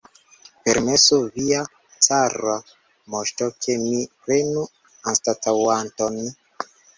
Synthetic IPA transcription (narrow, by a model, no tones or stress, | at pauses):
peɾmesuvia | t͡saɾa | moʃtokʰemipɾenu | anstatawanton